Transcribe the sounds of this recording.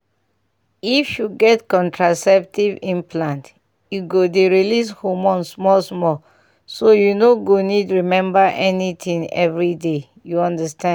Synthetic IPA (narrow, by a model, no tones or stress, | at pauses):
ifjuɡɛtkɔ̃ntɹasɛp̚tivĩnpʰlãnt | juɡodeɹilishomɔ̃nsmɔsmɔ | sojunoɡonidɹimɛ̃mbaʔɛnit̪ʰĩŋɛ̰vɹide | juɔ̃ndəstã